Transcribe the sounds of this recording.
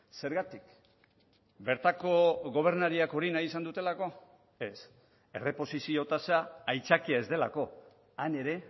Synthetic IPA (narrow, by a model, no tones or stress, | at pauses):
se̞ɾɣat̪ik | be̞ɾt̪ako̞ɣo̞β̞e̞ɾnaɾiako̞ɾinajisand̪ut̪e̞lako̞ | e̞s | e̞re̞po̞sisio̞t̪asaːjt͡sakiae̞zd̪e̞la̰ko̞ | ane̞ɾe̞